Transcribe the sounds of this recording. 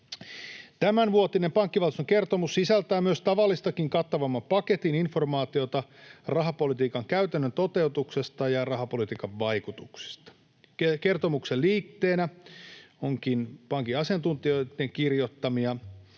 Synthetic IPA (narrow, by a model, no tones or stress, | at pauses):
t̪æmænʋuot̪ine̞mpɑŋkːiʋɑlt̪soke̞rt̪omusːisælt̪æjmyøst̪ɑʋɑlːist̪ɑkiŋkɑt̪ːɑʋɑmːɑpɑke̞t̪ininfo̞rmɑːt̪io̞t̪ɑrɑɦɑpo̞lit̪iːkɑŋkæyt̪ænːønt̪o̞t̪e̞ut̪ukse̞st̪ɑjɑrɑɦɑpo̞lit̪iːkɑʋːɑjkut̪uksi̥st̪ɑ̥ | keke̞rt̪o̞mukselliːt̪ːe̞ːnæ | oŋkinpɑŋkiɑsiɑnt̪unt̪io̞it̪ːeŋkirjo̞t̪ːɑmiɑ